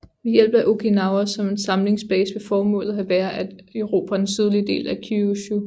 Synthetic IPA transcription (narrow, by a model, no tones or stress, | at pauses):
ʋijel̰b̥ɐʔo̝kʰenɑ̈ʊɐsɒ̽me̝nsɑ̈mle̝ŋsb̥ɛ̰ːsʋefɒːmɔ̰̽ːlð̩ˠɦæʋæːɐʔæd̥øʊʁo̝ːpʰæd̥ensyð̞ˠlid̥e̝̰ːlækʰuuɕu